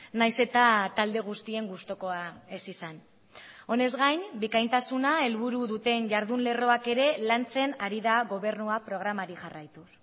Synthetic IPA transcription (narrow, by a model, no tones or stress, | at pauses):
najse̞t̪at̪ald̪e̞ɣ̞ust̪ie̞ŋɡust̪oko̞ae̞sisan | o̞ne̞zɣajnbikajnt̪asunae̞lβuɾuðut̪e̞nʝaɾðunle̞ro̞ake̞ɾe̞lant͡se̞naɾiðaɣo̞β̞e̞ɾnuapɾo̞ɣ̞ɾamaɾiʝarajt̪us